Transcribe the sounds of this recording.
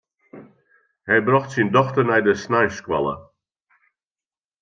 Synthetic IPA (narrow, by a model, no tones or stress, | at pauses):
hɛjbrɔxtsindɔxtərnɛjdəsnajskwa̰lˠə̰